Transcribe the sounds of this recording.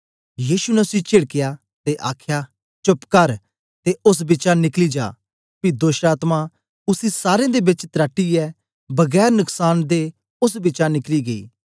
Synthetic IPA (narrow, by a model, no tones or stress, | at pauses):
jiːʃunɛʊsit͡ʃɪɽkɪjaː | t̪eʔaːkʰjaː | t͡ʃʊpkəɾ | t̪eʔʊs̬bɪt͡ʃãnɪklid͡ʒa̰ː | pid̪oːʃʈaːt̪mã | ʊsisaːɾẽːd̪eːbɪt͡ʃt̪ɾaːʈːiːɛː | bɐɡɛːɾnʊksaːnd̪e | ʊs̬bɪt͡ʃanɪkliːɡɐḭː